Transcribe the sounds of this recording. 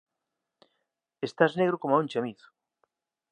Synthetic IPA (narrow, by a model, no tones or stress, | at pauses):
est̪azneɣ̞ɾokomaunt͡ʃamiθʊ̥